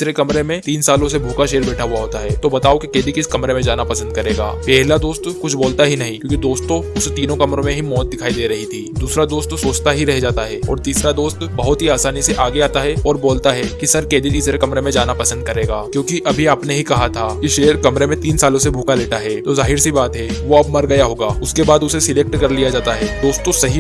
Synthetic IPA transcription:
sɾekɐmɾemẽt̪iːnsaːlõsebʱuːkaʃeːəɾbɛːʈʰaɦʊaɦoːt̪aɦɛːt̪obɐt̪aːokikeːd̪ʱikɪskɐmɾemẽd͡ʒaːnapɐsə̃nd̪̚kɐɾeːɡa̰ːpɛɦlad̪oːst̪kʊt͡ʃʰboːlt̪aɦinɐɦĩkjõːkid̪oːst̪õʊset̪iːnõkɐmɾõmẽɦimɔːt̪̚d̪ɪkʰaːid̪eːɾɐɦit̪ʰiːd̪uːsɾad̪oːst̪soːt͡ʃt̪aɦiɾɛɦd͡ʒaːt̪aɦɛːɔ̰ːɾt̪iːsɾad̪oːst̪bɐɦʊt̪ɦiaːsaːniseʔaːɡeaːt̪aɦɛɔːɾboːlt̪aɦɛkisɐɾkeːd̪it̪iːsɾekɐmɾemẽd͡ʒaːnapɐsə̃nd̪̚kɐɾeːɡaːkjõːkiʔɐbʱiaːpneɦikɐɦat̪ʰaːkiʃeːjəɾkɐmɾemẽt̪iːnsaːlõsebʱuːkaleːʈaɦɛːt̪ozaːɦɪɾsibaːt̪ɦɛʋoɐbmɐɾɡɐjaɦoːɡaːʊskebaːd̪ʊsesɪleːk̚ʈkɐɾlijad͡ʒaːt̪aɦɛːd̪oːst̪õsɐɦi

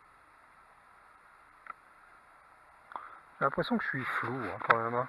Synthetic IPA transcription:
lɛ̃pχɛsjɔ̃kə̥ʃɥifluãkɑ̃mɛmã

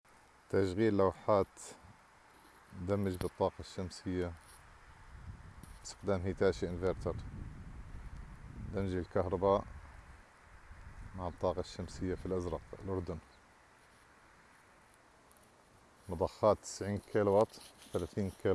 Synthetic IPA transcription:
t̪aʃɣiːlːawħaːt̪ | d̪amːɪd͡ʒbɨt̪ˤːɑːqɑʃːamsɪjːa | st̪ɪ̥qd̪aːmɦit̪aːʃiʔɪnveɾt̪ɑɾˤ | d̪amd͡ʒɪlkahɾˤɑbaːʔ | maʕɨt̪ˤːɑːqɑʃːamsɪjːafilʔazɾˤɑqlʔʊɾˤd̪ʊn | mɑd̪ˤɑxːaːt̪ːɪ̥sʕiːnkʰelwɑt̪ˤθalaθiːnki

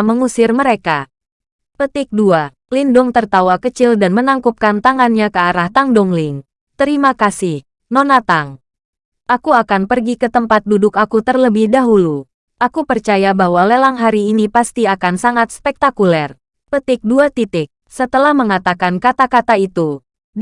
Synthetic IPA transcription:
məŋusɪrməɾeka | pət̪ɪk̚dua | lindʊŋt̪ərt̪awakət͡ʃɪldanmənaŋkup̚kant̪aŋanɲakəaɾaht̪aŋdɔŋlɪŋ | t̪əɾimakasɪh | nɔnat̪aŋ | ʔakuakanpərɡikət̪əmpat̪̚dudʊkakut̪ərləbɪhdaɦulu | ʔakupərt͡ʃajabahwalelaŋɦaɾiːnipast̪iakansaŋat̪̚spɛk̚t̪akulɛr | pət̪ɪk̚duat̪it̪ɪk̚ | sət̪əlahməŋat̪akankat̪akat̪ait̪u

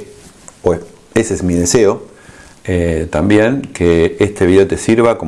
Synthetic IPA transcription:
pe | esezmið̞e̞seo̞ | et̪ambje̞ŋkeest̪eβiðeot̪e̞siɾβako

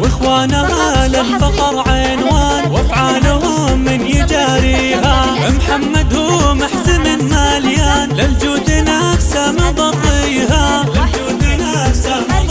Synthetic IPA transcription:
wɪxwaːnahalalfɑqɑɾˤʕa | nwaːnwɪfʕaːlʊhʊmɪnjɪd͡ʒaːɾiː | ɦawɪmħamːad̪hʊmaħtɪmɪnmaljaːnlɪld͡ʒuːd̪ɪnafsamɪd̪ˤɑt̪ˤijɦaad͡ʒuːd̪nasa

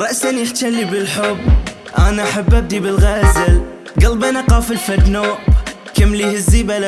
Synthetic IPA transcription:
ɾˤɑʔsanjɪħt̪alːibɪlħʊbːʔaːnaʔaħabːʔab̚d̪ibɪlɣaːzɪl | ɡalbanʔaqɑːfɪlfad̪noːʔb | kamːlihɪzːiːbala

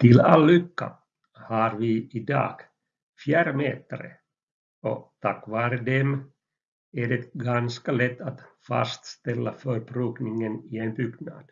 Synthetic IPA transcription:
t̪ɪlalːʏkːa̰ | hɑɾvɪɪd̪ɑ̰ːɡ̥ | fjæːɾəmeːt̪əɾə̰ | ɔ̰t̪ʰakːvɑːɾəd̪ɛm | æɖɛɡanskalɛt̪ːat̪fa̰st̪st̪ɛlːafœɾpʰɾʉːknɪŋənɪenbʏɡnɑ̰d̪̥

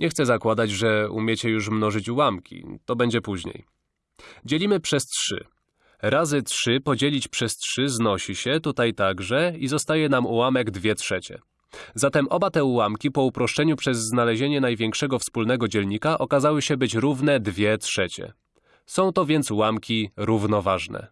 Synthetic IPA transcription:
ɲʔɛxt̪sɛzakwad̪ad͡ʑʐɛṵmʲjet͡ɕɛjuʂ̬mnɔʐɘt͡ɕwamkʲʰḭt̪ɔbɛɲd͡ʑɛpuʑɲḛj | d͡ʑelʲimɘpʂɛstʂɘ̰ | ɾazɘtʂɘpɔd͡ʑelʲit͡ɕpʂɛstʂɘznɔɕiɕɛt̪ut̪ajt̪aɡʐɛizɔst̪ajɛnamuwamɛɡd̪vʲjɛtʂɛt͡ɕɛ̰ | zat̪ɛmʔɔbat̪ɛuwamkʲipɔupɾɔʂt͡ʂɛɲupʂɛzːnalɛʑeɲɛnajvʲjɛŋkʂɛɡɔfspulnɛɡɔd͡ʑɛlɲikaʔɔkazawɘɕɛbɘt͡ɕɾuvnɛd̪vʲjɛtʂɛt͡ɕɛ̰ | sɔ̃w̃t̪ɔvʲjɛnt̪swamkʲiɾuvnɔvaʐnɛ̰

